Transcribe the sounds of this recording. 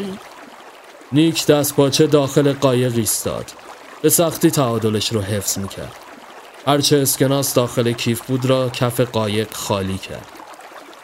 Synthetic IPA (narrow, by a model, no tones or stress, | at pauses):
niːcʰd̪̥æst̪̚bɒːt͡ʃʰe̞d̪ɒːxe̞leɢɒːje̞ɣiːst̪ɒ̰ːd̪̥ | b̥e̞sæxt̪iːt̪ʰæɒːd̪o̞leʃɾoɦe̞fz̥miːcʰæ̰ɾd̪̥ | hæɾt͡ʃʰeːsce̞nɒːsd̪ɒːxe̞lecʰiːfbuːd̪ɾɒːcʰæfe̞ɢɒːje̞ɢxɒːliːcʰæ̰ɾd̪̥